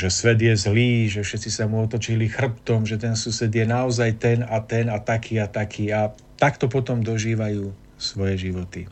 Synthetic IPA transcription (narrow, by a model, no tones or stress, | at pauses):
ʒɛsʋɛd̪jɛzliːʒɛfʃɛt̪t͡sisamuɔt̪ɔt͡ʃilixr̩pt̪ɔmʒɛt̪ɛnsusɛd̪jɛnaɔzajt̪ɛnat̪ɛnat̪akʰiːat̪akʰiːa | t̪akt̪ɔpɔt̪ɔmd̪ɔʒiːʋajuː | sʋɔjɛʒiʋɔt̪i